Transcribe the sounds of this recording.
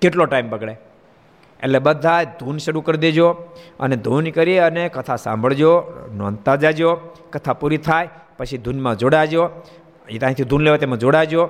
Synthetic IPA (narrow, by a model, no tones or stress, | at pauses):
keʈloʈaimbəɡɭe | ḛllebəd̪ʱajd̪ʱunʃəɾukəɾd̪ed͡ʒoə̰ned̪ʱunkəɾeənekət̪ʰasã̰mbʱəɭd͡ʒonoənt̪ad͡ʒad͡ʒokət̪ʰapuɾit̪ʰaj | pət͡ʃʰid̪ʱunmãd͡ʒoɽad͡ʒo | it̪ãĩt̪ʰid̪ʱunleʋet̪emãd͡ʒoɽad͡ʒo